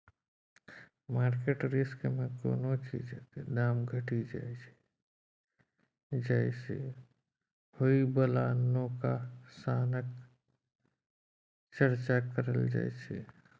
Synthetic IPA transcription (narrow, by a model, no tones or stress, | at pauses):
maɾkeʈɾiskmeko̰not͡ʃḭd͡ʒd̪aːmɡʱəʈid͡ʒa̰jt͡ʃʰɛ̥ | d͡ʒajsʰɛ̰ | hoibəlanːokasanək | t͡ʃəɾt͡ʃakəɾə̰ld͡ʒa̰jt͡ʃʰɛ̰